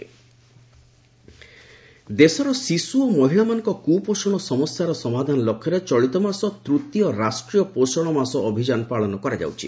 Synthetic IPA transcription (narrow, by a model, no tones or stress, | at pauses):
d̪esɔɾɔsisuomɔɦilamanɔ̃ŋkɔkuposɔɽ̃ɔsɔmɔsjaɾɔsɔmad̪ʱanɔlokʰːjɔɾet͡ʃɔɭit̪ɔmasɔt̪ɾut̪iɔɾasʈɾijɔposɔɽ̃ɔmasɔːbʱid͡ʒanɔpaɭɔnɔkɔɾad͡ʒa̰wt͡ʃʰḭ